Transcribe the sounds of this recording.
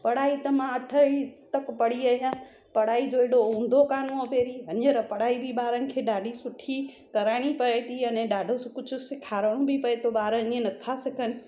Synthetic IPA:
pɐɽaːit̪ɐmãɐʈʰəit̪ɐkpɐɽiaːɦjãː | pɐɽ̤aːid͡ʒoeɽoɦũːn̆d̪ʱokaːnõopeːɾiɦɐneɾɐpɐɽaːibʱibaːɾənɪ̆kʰeːɗaːɖʱisʊʈʰi | kɐɾaːɽ̃ipɐet̪iɐnɛ̃ɖaːɖʱoskʊd͡ʒʰʱʊsɪkʰaːɾəɽ̃õbʱipɐet̪obaːɾəĩẽnɐt̪ʰasɪkʰənɪ

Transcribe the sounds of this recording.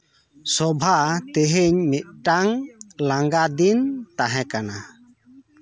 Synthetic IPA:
sɔbʱat̪eɦeɲmit̪̚ˀʈaŋlaŋɡad̪int̪aɦɛ̃kana

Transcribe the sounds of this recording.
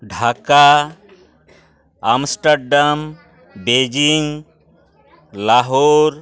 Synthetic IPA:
ɖʱaka | amsʈəɾɖam | bed͡ʒiŋɡ | laɦoɾ

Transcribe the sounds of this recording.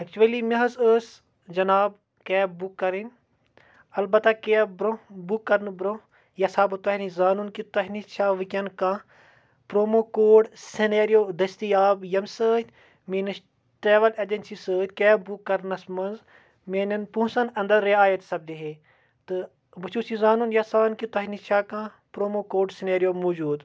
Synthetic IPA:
ɐk̚t͡ʃuʋɐlimɐɦɐsəːs | d͡ʒɐnaːb | kɛːbukːɐɾin | ɐlbɐt̪akeabɾobukːɐɾnɨbɾo | jɐsaːbɨt̪ɐhnizaːnuːnkit̪ɐɦʲnit͡ʃʰaːʋɨkʲɐnkãː | pɾoːmoːkoːɖseneːɾijoːd̪ɐst̪ijaːbjɐmsəːt̪ʲ | meːnɐs | ʈeːʋɐlɐd͡ʒɐnʲsisəːt̪ʲkebukːɐɾnɐsmɐnz | meːnɐnpũːsɐnɐ̃nd̪ɐɾːeaːjɐt̪sɐb̚d̪iɦeː | t̪ɨ | bɨt͡ʃʰuːsizaːnuːnjɐsaːnkit̪ɐɦnit͡ʃʰaːkãː | pɾoːmoːkoːɖsineːɾijoːmoːd͡ʒuːd̪

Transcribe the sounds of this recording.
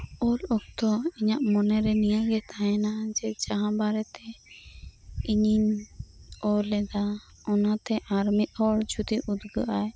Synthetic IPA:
ɔlɔk̚t̪ɔiɲaʔmɔnɛɾɛnijaɡɛt̪ʰaɛnad͡ʒɛd͡ʒaɦãbaɾɛt̪ɛ | iɲiɲ | ɔlːɛd̪a | ɔnat̪ɛʔaɾmit̪̚ˀɔɽd͡ʒut̪iʔud̪ɡaʔaj

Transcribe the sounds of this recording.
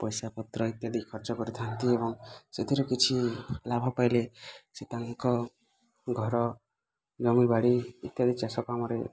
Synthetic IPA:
pɔjsapɔt̪ɾɔit̪jad̪ikʰɔɾt͡ʃɔkɔɾit̪ʰant̪iebɔŋset̪ʰiɾukit͡ʃʰilabʱapajleset̪aŋkɔ | ɡʱɔɾɔ | d͡ʒɔmibaɽiit̪jad̪ʱit͡ʃasɔkamɔɾe

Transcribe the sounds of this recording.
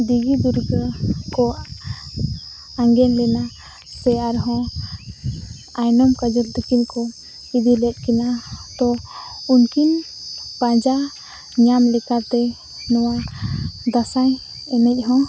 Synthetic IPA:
d̪iɡid̪uɾɡəkɔ | aŋɡɛnlɛna | sɛaɾɦɔ̃ | ajnɔmkad͡ʒəld̪ukinkɔ | id̪ilɛt̪̚ˀkinat̪ɔunkin | pãd͡ʒa | ɲamlɛkaɾt̪ɛ | nɔwa | d̪asaj | ɛnɛc̚ˀɦɔ̃

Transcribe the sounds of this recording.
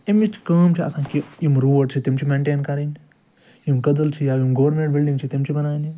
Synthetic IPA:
imit͡ʃʰi̥kaːmt͡ʃʰiɐ̰sãːkijimɾuːəʈ̚t͡ʃʰit̪imt͡ʃʰimẽːɳʈeːnkɐɾini | imkɐd̪əlt͡ʃʰijaːʋjimɡɐʋɾmẽɳʈ̚bɪlɖĩŋt͡ʃʰit̪imt͡ʃʰibɐnaːni

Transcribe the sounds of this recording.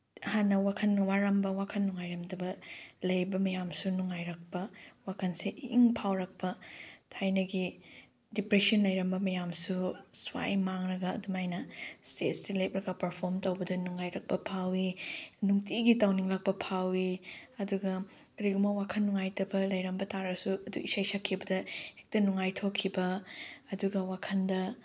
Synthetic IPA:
hanːɐwakʰɐnːuŋaɾɐmbɐwakʰɐnːuŋajɾɐmdɐbɐlɐjbɐmɐjamsunuŋajɾɐk̚pɐwakʰɐnseʔiŋpʰawɾɐk̚pɐtʰajnɐɡi | dipɾesiɐnlɐjɾɐmbɐmɐjamsuswa̰jmaŋɾɐɡɐ̰ːdumajnɐstḛtstilep̚ɾɐɡɐpɐɾpʰoɾmtɐwbɐdɐnuŋajɾɐk̚pɐpʰawinuŋtiɡitawniŋlɐk̚pɐpʰawiɐduɡɐ | ɾiɡumɐwakʰɐnːuŋajtɐbɐlɐjɾɐmbɐtaɾɐsuɐduisajsakʰːibɐdɐek̚tɐnuŋajtʰokʰːibɐːduɡɐwakʰɐndɐ

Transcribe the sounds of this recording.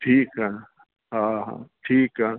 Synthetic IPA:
ʈʰiːkɦɛ | ɦãɦã̰ʈʰiːkɦɛ

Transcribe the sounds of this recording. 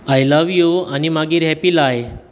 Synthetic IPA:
ajlaʋijoanimaɡiːɾɦɛpilaj

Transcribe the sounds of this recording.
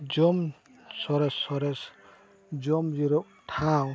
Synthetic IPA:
d͡ʒɔm | sɔɾɛsɔɾɛs | d͡ʒɔmziɾɔk̚ | tʰaw

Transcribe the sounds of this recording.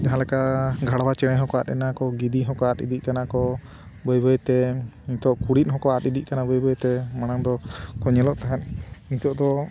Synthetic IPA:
d͡ʒaɦãlɛkaɡʱaɽabat͡ʃɛɽ̃ɛɦɔkɔat̪ɛ̰nakɔɡid̪iɦɔkɔat̪ḭd̪ikanakɔ | bɔjbɔjt̪ɛnit̪ɔʔkuɽit̪̚ˀɦɔkɔat̪id̪ic̚kanabɔjbɔjt̪ɛmaɽ̃aŋd̪ɔkɔɲɛlɔʔt̪aɦannit̪ɔʔd̪ɔ

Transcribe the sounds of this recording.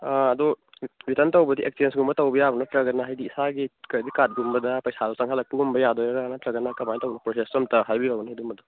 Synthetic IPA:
aɐdu | bitɐntɐwbɐdiʔek̚siensɡumbɐtɐwbɐjabɐnɐtɾɐɡɐnɐɦajdiːsaɡikɐɾdikat̚ɡumbɐdɐpɐjsalasɐŋɦalɐk̚pɐɡumbɐjadɔjaɾanɐtɾɐɡɐnːɐkɐmajtɐwɡnɐpɾosestomtɐɦajbiɾawniidumɐdu

